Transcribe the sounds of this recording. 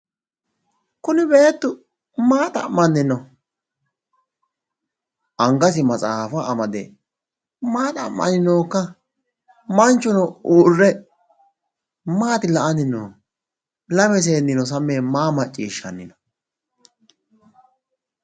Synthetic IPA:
kʊnɪbe̞ːt̪ːʊ | maːt̪ɐ̰mːɐnːɪnɔ | ʔɐŋɡɐs̬ɪmɐt͡sʼaːfɐːmɐd̪ɛ | maːt̪ɐmːɐ̰nɪno̞ːkːɐ | mɐnt͡ʃːʊnɔuːrːɛ | maːt̪ɪlɐʔɐnɪno̰ː | lɐfɛs̬e̞ːnɪnɔs̬ɐmːeːmaːmɐt͡ʃʼːiːʃːɐnːɪnɔ

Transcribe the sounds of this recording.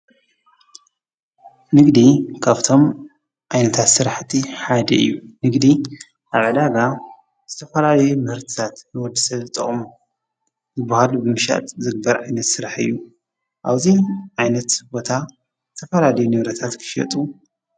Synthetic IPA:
nɨɡd̪ikʰaβt̪ʰo̞m | ʕajnɐt̪ʰat̪sɨɾaħt̪ʰiħad̪ɐ̰ɨ̰jːunɨɡd̪i | ʔaβʕɨd̪aɡa | z̥ɨt̪ʰɐfɐlalɐjumɨhɨɾt̪ʰi̥t̪ʰat̪nɨwɔd̪ːɨsɐβɨt̪ʼɐ̰χʼmu | zɨbːahalubɨmɨʃa̰t̪zɨɡ̚bɐɾʕajnɐt̪sɨɾaħɨ̰jːu | ʔaβziʕajnɐt̪bo̞t̪ʰa | zɨt̪ʰɐfɐlalɐjunɨβɾɐt̪ʰat̪kʰɨ̥ʃɐ̰t̪ʼu

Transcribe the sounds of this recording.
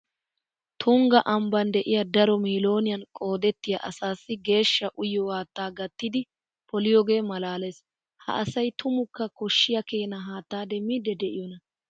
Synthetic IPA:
t̪ʰʊŋɡɐʔɐmbɐnd̪ɛʔɪjɐd̪ɐɾɔmiːlo̞ːnɪjɐnkʼo̞ːd̪ɛt̪ːɪjɐʔɐsaːsːɪɡe̞ːʃːɐʔʊjɔwaːt̪ːaːɡɐt̪ːɪd̪ɪ | pɔlɪjɔɡe̞ːmɐlaːleːs | hɐ̰ʔɐsɐjt̪ʰʊmʊkːɐkɔʃːɪjɐkeːnɐɦaːt̪ːaːd̪ɛmid̪ɛd̪ɛʔɪjɔnɐ

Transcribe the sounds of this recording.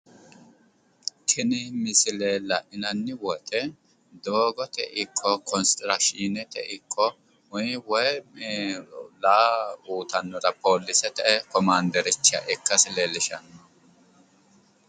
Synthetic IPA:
kʰɪnɪmɪsɪleːlɐʔɪnɐnːɪwɔt̪ʼɛ | d̪oːɡɔt̪ɛ̰ʔɪkʰːɔkʰɔnst̪ɪɾɐʃinɛt̪ɛ̰ʔɪkʰːɔ | ʊwɔj | laːuːt̪ɐnːɔd̪ɐpoːlːɪsɛt̪ɛɛkɔmaːnd̪ɛɾɪt͡ʃːɪɐ̰ʔɪkːɐsɪlelɪʃɐnːɔ

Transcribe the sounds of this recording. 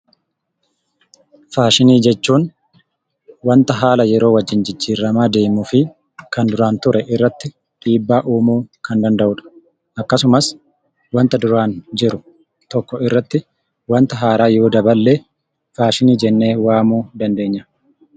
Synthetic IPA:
faːʃɪniːd͡ʒɛt͡ʃːuːn | wɐnt̪ɐɦaːlɐjɛɾo̞ːwɐd͡ʒːɪnd͡ʒɪd͡ʒːiːɾːɐmaːd̪e̞ːmʊfɪ | kɐnd̪ʊɾaːnt̪ʊɾʔɛʔɪrːɐt̪ːɪ | ᶑiːbːaːʔuːmuːkɐnd̪ɐnd̪ɐʔʊᶑɐ̥ | ʔɐkːɐsʊmɐs | wɐnt̪ɐd̪ʊɾaːnd͡ʒɪɾʊ | t̪ɔkːɔɪrːɐt̪ːɪ | wɐnt̪ɐɦaːɾaːjoːd̪ɐbɐlːeː | faːʃɪniːd͡ʒɛnːe̞ːwaːmuːd̪ɐnd̪e̞ːɲːɐ

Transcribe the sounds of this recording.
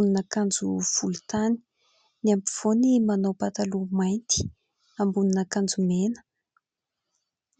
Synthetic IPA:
ninakand͡zuv̥ulut̪ani̥ | niampiv̥onimanowpat̪alumajnt̪i̥ | ambuninakand͡zumenə̥

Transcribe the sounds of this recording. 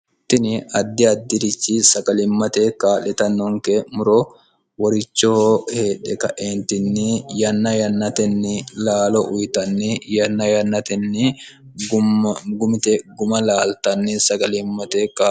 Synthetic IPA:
t̪ːɪnɪɐd̪ːɪɐd̪ːɪɾɪt͡ʃːɪsɐɡɐlɪmːɐt̪ekaːlɛt̪ɐnːɔŋkɛmʊɾɔ | wɔɾɪt͡ʃːoːheːᶑɛkɐʔeːnt̪ɪnːɪjɐnːɐjɐnːɐt̪ɛnːɪlaːlɔʔʊjt̪ɐnːɪjɐnːɐjɐnːɐt̪ɛnːɪ | ɡʊɡʊmɪt̪ɛɡʊmɐlaːlt̪ɐnːɪsɐɡɐlɪmːɐt̪eka

